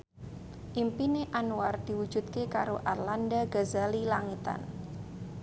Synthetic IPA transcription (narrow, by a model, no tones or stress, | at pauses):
ʔimpineʔanuward̪̥i̤wu̥d͡ʒ̥ṳt̪̚kekaɾoʔarlandaɡazalilaŋit̪a̰n